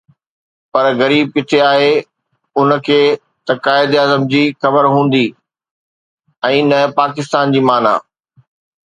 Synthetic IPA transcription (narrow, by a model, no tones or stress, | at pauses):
pɐɾɣɐɾiːb̚kɪt̪ʰeaːɦe | ʊnkʰeː | t̪ɐkaːɪd̪aːzəmd͡ʑiːxɐbəɾɦũːn̆d̪i | ɛ̃ːnɐpaːkɪst̪aːnd͡ʑiːmaːna̰ː